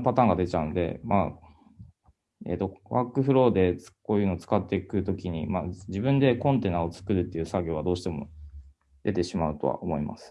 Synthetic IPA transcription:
pat̪ãːŋɡad̪e̞t͡ɕaɯ̟nd̪e̞̰ma̰ | e̞̰t̪ːo̞βakːɯ̟ɸɯ̟ɾo̞ːd̪e̞̥ko̞ːjɯ̟ːnoːt͡sɨ̥kat̪ːekɯ̟t̪o̞kʲiɲ̟imad͡ʑibɯ̟̃nd̪e̞kõ̞nt̪e̞nao̞t͡sɨ̥kɯ̟ɾɯ̟t̪ːe̞iɯ̟saɡʲo̞ːβad̪o̞ːɕi̥t̪e̞mo̞̰ | d̪̥e̞t̪e̞ɕimaɯ̟t̪o̞̰a̰omo̞ima̰sɨ̥

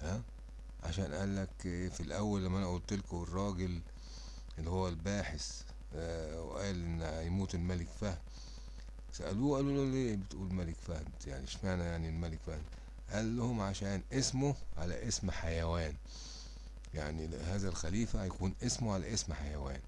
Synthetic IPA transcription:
ʔæ | ʕa̰ʃæːnʔæːlːækːfilʔæwːælːæmːæʔænæʔuːlt̪elkwerˤːɑːɡel | ʔelːihowːælbaːħes | wḛʔæːlʔenːhæjmuːt̪elmælekfæhm | sæʔæ̰luːʔæluloleːbet̪ʔuːlmælekfæhnd̪jaʕniʃmeʕnæjaʕnilmælekfæh̪ | ʔælːohomʕaʃæːnʔesmoʕalæ̰ʔesmħajæwæːn | jaʕnihæːzælxæliːfæjækuːnʔesmoʕalæ̰ʔesmħajæwæ̰ːn

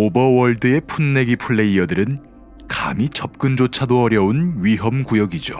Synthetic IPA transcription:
obʌwʌɭdɯe̞pʰunːe̞ɡipʰuɭːe̞iʌdɯɾɯn | ka̰mit͡ɕʌp̚k͈ɯnd͡ʑot͡ɕʰadoʌɾjʌunɥiɦʌmkujʌɡid͡ʑo

